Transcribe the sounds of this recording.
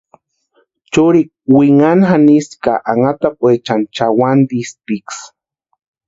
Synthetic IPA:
t͡ʃuɾik̚wiŋanxaniska̰ʔaŋat̪apʼwet͡ʃant͡ʃawand̪ispiks

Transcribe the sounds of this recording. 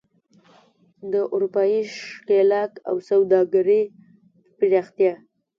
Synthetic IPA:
d̪əʔuɾupɑjiʃkelɑka̰wsawd̪ɑɡaɾi | pɪɾɑxt̪jɑ

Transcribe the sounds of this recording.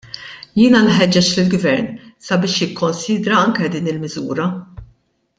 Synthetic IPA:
jɪːnɐlħɛd͡ʒːɛt͡ʃlɪlɡvɛɾnsɐbɪːʃjɪkːɔnsiːd̪ɾɐɐŋkɛd̪iːnɪlmɪzṵːɾɐ

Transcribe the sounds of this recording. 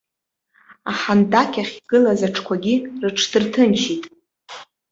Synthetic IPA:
aħandakʲʰaχʲɡ̥ɨlazaʈ͡ʂʰkʷʰaɡʲirɨʈ͡ʂʰdɨrtʰɨnt͡ʃʰitʼ

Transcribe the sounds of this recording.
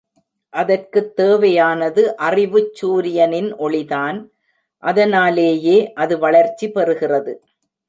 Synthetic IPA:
ʔɐðɐrkɯt̪ːeːʋɐjaːnɐðɯʔɐrɪʋɯt͡ʃːuːɾɪjɐnɪnʔɔɭɪðaːn | ʔɐðɐnaːleːjeːʔɐðɯʋɐɭɐɾt͡ʃːipɛɾɯɣɪrɐðɯ

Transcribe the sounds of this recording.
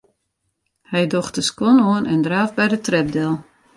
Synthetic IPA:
hɛjdɔxtəskɔnoənʔɛndraːfbɛjdətrɛp̚dɛlˠ

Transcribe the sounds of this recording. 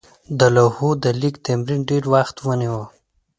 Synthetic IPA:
d̪əlahud̪əlikt̪amɾinɖeɾwaxt̪wəniwə

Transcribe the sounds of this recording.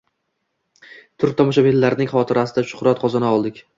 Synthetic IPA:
t̪ʰʊɾt̪ʰɒmɒʃ̬abelːaɾnɪŋχɒt̪ʰɪɾasɪd̪aʃʊ̥χɾat̪qʰɒzanaɒlˠd̪ɪkʲ

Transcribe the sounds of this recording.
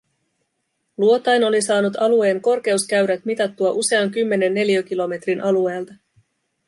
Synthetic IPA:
luo̞t̪ɑjno̞lisɑːnut̪ɑlue̞ːŋko̞rk̟e̞uskæɥɾæt̪mit̪ɑt̪ːuɑʔuse̞ɑŋkymːe̞ne̞nːe̞ljøk̟ilo̞me̞t̪rinʔɑlue̞ːlt̪ɑ

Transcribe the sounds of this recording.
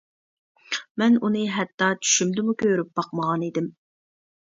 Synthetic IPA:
mɛnunɨɦɛt̪ːɑt͡ʃʰy̥ʃymd̪ɪmukʲʰøɾyp̚b̥ɑqməʁɑnid̪ɪm

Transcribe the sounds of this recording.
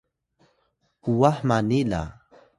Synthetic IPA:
uwaħmanila̰

